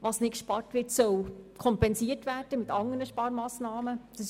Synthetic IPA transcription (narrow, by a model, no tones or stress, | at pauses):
ʋɑsnɪt̚kʃpɑrtʋɪtsœwkʰɔmpɛnsiːərtʋæːrd̥əmɪtɑŋənəʃpɑːɾmɑːsnɑːməd̪̥ɑs